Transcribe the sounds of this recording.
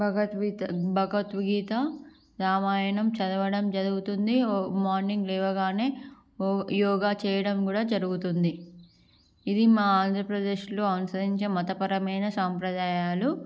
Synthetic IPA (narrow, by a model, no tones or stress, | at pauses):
bʱɐɡɐt̪ʋibʱɐɡɐt̪ʋiɡiːt̪ɐ | ɾaːmaːjɐɳɐmt͡ʃɐd̪ɐʋɐɽɐmd͡ʒɐɽuɡut̪und̪imaːɾniŋɡlɛːʋɐɡaːne̞ː | jɔːɡaːt͡ʃɛːjɐɽɐmkuːɽaːd͡ʒɐɾuɡut̪und̪i | id̪imaːaːnd̪ʱɾɐpɾɐd̪e̞ːʃloːɐnusɐd̪iɲt͡ʃemɐt̪ɐpɐɾɐmɐjnɐsaːmpɾɐd̪aːjaːlu